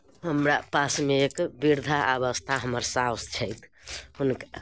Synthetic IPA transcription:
həmɾapasmeːkbiɾd̪ʱaʔaβəst̪ʰaɦəməɾsawst͡ʃʰəjt̪ʰhunka

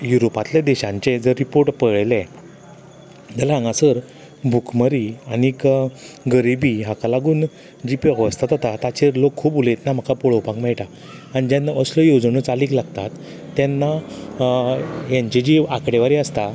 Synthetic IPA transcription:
juɾopat̪ljad̪ɛɕãɲt͡ɕed͡zəɾːipoɾʈpəɭele | d͡ʑəlaãŋɡasəɾ | bʱukməɾiañikɡəɾibiɦakalaɡuːn | d͡ʑiːpəɡʋəst̪at̪ɦɔt̪at̪at͡ɕeɾlokʰːuːpbulet̪nam̤akʰapoɭowpãkmɛɭʈa | añid͡ʑanːaəsləjod͡zɳot͡saliːklaɡt̪at̪ː | janːa | jaɲt͡ɕed͡ʑiːakɽeʋaɾiəst̪a

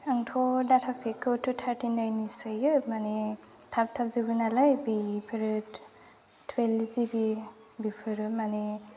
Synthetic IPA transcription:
aŋtʰodatʰapʰekʰːutʰutʰaɾtʰinajnisajɯmane | tʰap̚t̪ʰap̚zɯbɯnalajbipʰɯɾɯ | tʰwelzibi | bipʰɯɾɯmane

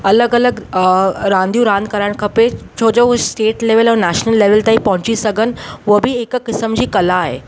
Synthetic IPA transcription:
ɐləɡɐləɡ | ɾãːnd̪jũɾãːnd̪̚kəɾaɽ̃kʰɐpet͡ɕʰoːd͡ʑosʈeːʈleːʋəlɔːɾnæːʃnəlːeːʋəlt̪aipɐ̃ɦʊ̃t͡ɕisɐɡʱən̆ʋobʱiekkɪsəmd͡ʑiːkɐlaːɦḛː

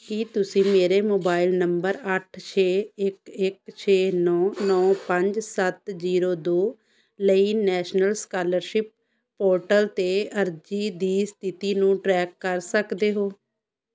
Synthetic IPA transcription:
kiːt̪ʊsĩːmeːɾeːmoːbaːɪlnəmbəɾəʈʰt͡ʃʰeːɪkɪk̚t͡ʃʰeːnɔːnɔːpəɲd͡ʒsət̪ziːɾoːd̪oː | ləiːnɛːʃnəlskaːləɾʃɪp̚ː | oːɾʈəlt̪eːəɾd͡ʒiːd̪iːst̪ʰɪt̪iːnũːʈɾɛːkːəɾsəkd̪eːɦoː

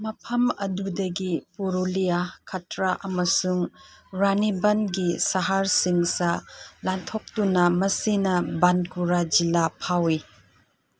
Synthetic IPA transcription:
mɐpʰɐmɐ̰dudɐɡipuɾulijakʰɐtɾaʔɐmɐsuŋɾanibɐnɡisaɦaɾsiŋsɐlantʰok̚tunɐmɐsinɐbankuɾad͡ʒilapʰawi

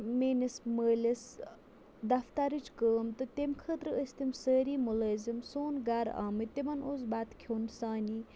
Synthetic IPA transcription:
meːnisməːles | d̪ɐft̪aɾɨt͡ʃʰkəːmt̪ɨt̪emkʰət̪ɾɨəsʲt̪imsəːɾiːmuləːzimsoːnɡaːɾa̰ːmɨt̪emɐnosbaːt̪kʰjoːnsaːni

